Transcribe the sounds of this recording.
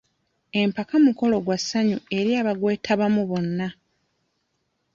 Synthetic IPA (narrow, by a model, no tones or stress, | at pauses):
e̞mpakamuko̞lo̞ɡwasːaɲue̞ɾjaːβaɡwe̞ːtʰaβamuβo̞nːa